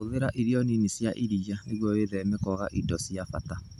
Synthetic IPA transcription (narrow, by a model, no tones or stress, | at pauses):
oðeɾaʔiɾjɔninisjaʔiɾijaneɣwɔjeːðɛmekɔɣa̰ʔidɔsjafata